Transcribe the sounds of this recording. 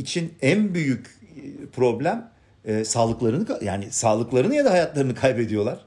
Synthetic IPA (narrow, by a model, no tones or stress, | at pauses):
it͡ʃʰinænbyjycpʰɾo̞blʲæmː | saːlˠɯklˠaɾɯnɯkaja̰ːnisaːlˠɯklˠaɾɯnɯjad̪ahajat̪lˠaɾɯnɯkʰajbe̞d̪ijo̞lˠaɾ̥